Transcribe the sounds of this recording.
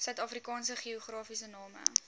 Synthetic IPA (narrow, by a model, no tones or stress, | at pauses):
sœɥtɑːfrikɑːnsəχioχrɑːfisənɑːmə̰